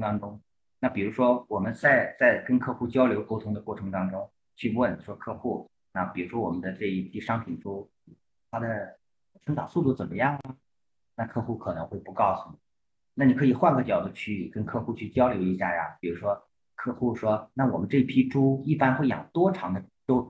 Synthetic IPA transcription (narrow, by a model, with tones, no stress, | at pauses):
t̪ɑ˥ŋʈ͡ʂʊ˥ŋ | na˥˩pi˨˩ɻu˧˥ʂwɔ˥wɔ˨˩mə˦nt͡sa˥˧ɪt͡sa˥˩ɪkə˥nkʰɤ˥˧xu˥˩t͡ɕjɑ˥ʊljo˧˥ʊko˥ʊt̪ʰʊ˥ŋd̪ə˧kwɔ˥˩ʈ͡ʂʰɤ˧˥ŋt̪ɑ˥ŋʈ͡ʂʊ˥ŋ | t͡ɕʰy˥˧wə˥˩nʂwɔ˥kʰɤ˥˧xu˥˩ | na˥˩pi˨˩ɻu˧˥ʂwɔ˥wɔ˨˩mə˦nd̪ə˧ʈ͡ʂɤ˥˧i˥˩pʰi˥˩ʂɑ˥ŋpʰi˨˩nʈ͡ʂu˥ | t̪ʰa˥d̪ə˨ | ʈ͡ʂʰə˧˥ŋt̪ɑ̰˨˩ʊsu˥˧˩t̪u˥˩t͡sə˨˩mə˦jɑ˥˩ŋə˩ | na˥˧kʰɤ˥˧xu˥˩kʰɤ˨˩nɤ˧˥ŋxwe˥˩ɪpu˧˥kɑ˥˧ʊsu˨˥˩ni˨˩ | na˥˩ni˨˩kʰɤ˧˥i˨˩xwa˥nkʰɤ˥˩t͡ɕjɑ˨˩ʊd̪ə˧˥t͡ɕʰy˥˩kə˥nkʰɤ˥˧xu˥˧t͡ɕʰy˥˩t͡ɕjɑ˥ʊljo˧˥ʊi˧˥ɕja˥˩ja̰˨˩pi˨˩ɻu˧˥ʂwɔ˥ | kʰɤ˥˧xu˥˩ʂwɔ˥na˥˩wɔ˨˩mə˦nʈ͡ʂɤ˥˧i˥˩pʰi˥ʈ͡ʂu˥i˥˩pa˥nxwe˥˩ɪjɑ̰˨˩ŋt̪wɔ˥ʈ͡ʂʰɑ˧˥ŋd̪ə˧ʈ͡ʂo˥ʊ